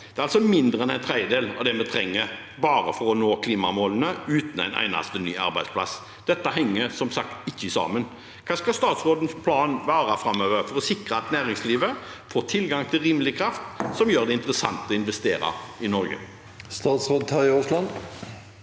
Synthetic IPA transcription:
d̪̥ɛæʁɑlsɔmɪnd̪ʁəɛnæɪnt̪ʰɾæɪəd̪eːlɔd̪ɛmɛt̪ʰɾɛŋːə | bɑːɾəfɔɾɔnoːkʰliːmɑmoːlənəʉːt̪n̩æ̰ɪnʔæ̰ɪnɑ̰st̪əny̰ːɑ̰ɾbæɪ̥splɑ̰s | d̪̥ɛt̪ːəɦɛŋːəsɔmsɑkt̪ɪçːəɪsɑ̰ːmən | kʰɑːskɑst̪ɑːt̪sʁoːd̪n̩spʰlɑːnʋɑːɾɑfɾɑmøːʋəʁfɔɾɔsɪkʁəɑt̪næːʁɪŋsliːʋəfoːt̪ʰɪlɡɑŋt̪ʰɪlʁiːmlɪkʰɾɑft̪sɔmjøːʁd̪ɛɪnt̪əɾəsɑ̰nt̪əɔɪnʋɛst̪eːɾɑ̰ɪnɔɾɡə̰ | st̪ɑːt̪sʁoːd̪t̪ʰɑːɪʊslɑn

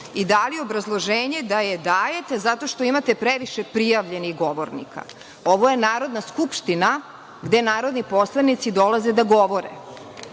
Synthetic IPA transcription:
id̪alio̞bɾazlˠo̞ʒeːɲed̪ajed̪aːjet̪e̞zat̪o̞ʃt̪o̞imat̪e̞pɾeʋiʃepɾijaʋʎe̞niɣɡo̞ʋoɾnḭkʰa̰ | o̞ʋo̞je̞naːɾo̞d̪naskupʃt̪ina | ɡd̪e̞naːɾo̞d̪nipo̞slˠanit̪sid̪o̞laze̞d̪aɡo̞ʋo̞ɾḛ

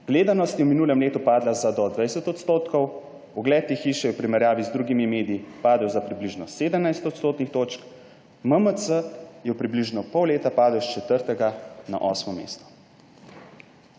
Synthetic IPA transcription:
ɡ̥leːd̪anɔst̪jɛwminulɛmleːt̪upaːd̪lazad̪ɔd̪ʋajsɛt̪ɔt̪st̪oːt̪kɔw | ɔɡlɛt̪ːexiʃɛjɛwpɾimɛɾjaːʋizd̪ɾuɡimimeːd̪ijipaːd̪əwzapɾibliʒnɔseːd̪əmnajst̪ɔt̪st̪oːt̪nixt̪oːt͡ʃk | məməsəjɛwpɾibliʒnɔpɔwleːt̪apaːd̪ɛwʃt͡ʃɛt̪əɾt̪ɛɡana̰ʔɔ̰smɔmḛːst̪ɔ̥

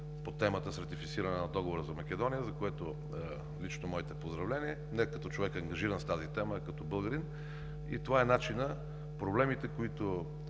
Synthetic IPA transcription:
pot̪ɛmət̪əsəɾt̪ifit̪siɾɐnɛnɐd̪ɔɡovoɾəzɐmɐkɛd̪ɔnʲijəzɐkoɛt̪o | lit͡ʃnomɔit̪ɛpozd̪ɾɐvlɛniɛ | nɛkɐt̪ɔt͡ʃovɛkɐŋɡɐʒiɾənst̪azit̪ɛməkɐt̪ɔbəlˠɡəɾin | ḭt̪ovaɛnat͡ʃinə | pɾoblɛmit̪ɛkoit̪o

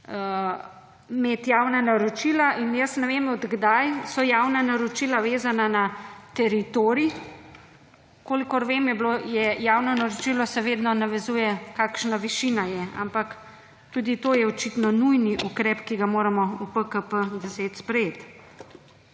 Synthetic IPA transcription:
meːt̪jaːwnanaɾɔt͡ʃiːlaʔinjəsnɛʋeːmɔd̪ɡd̪ajsɔjaːwnanaɾot͡ʃilaʋeːzananat̪ɛɾit̪oːɾi | koːlikɔɾʋemjɛblojɛjaːwnɔnaɾot͡ʃilɔsɛʋeːd̪nɔnaʋɛzuːjɛkaːkʃnaʋiʃiːnajɛa̰mpak | t̪uːd̪it̪oːjɛɔt͡ʃit̪nɔnujniʔukɾɛːpkiɡamoːɾamɔupəkəpəd̪ɛseːt̪spɾɛjeːt̪

